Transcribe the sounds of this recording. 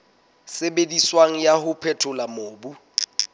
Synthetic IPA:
sebediswaŋ̩jahʊpʰɛtʰʊlamoːbu

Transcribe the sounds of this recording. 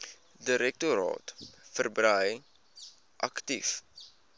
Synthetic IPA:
diɾɛk̚tuɾɑ̰ːtfərbrəj | ʔɐktif

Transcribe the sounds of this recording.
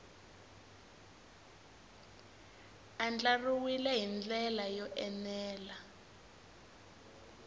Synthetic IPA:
and͡ɮaruwilɛɦind͡ɮɛlajɔʔɛnɛːla

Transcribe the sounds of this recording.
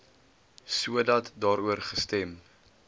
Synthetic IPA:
suədɐtdɑːɾuərχəstɛm

